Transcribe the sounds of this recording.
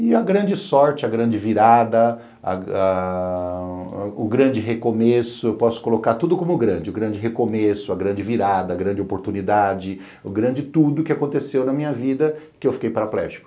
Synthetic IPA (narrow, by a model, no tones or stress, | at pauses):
ɪɐɡɾɐ̃d͡ʒɪsɔɾt͡ʃɪɐɡɾɐ̃d͡ʒɪviɾad̪ɐ | ɐ̰a | ʊɡɾɐ̃d͡ʒɪɦekomesʊewpɔsʊ̥kolokaɾt̪ud̪ʊkõmʊɡɾɐ̃d͡ʒɪʊɡɾɐ̃nd͡ʒɪɦekomesʊɐɡɾɐ̃nd͡ʒɪviɾad̪ɐːɡɾɐ̃nd͡ʒɪopoɾt̪unid̪ad͡ʒɪ | ʊɡɾɐ̃d͡ʒɪt̪ud̪ʊkɪakõnt̪esewnɐmĩɲɐvid̪ɐ | kɪewfi̥kejpaɾaplɛ̰ʒɪ̥kʊ̥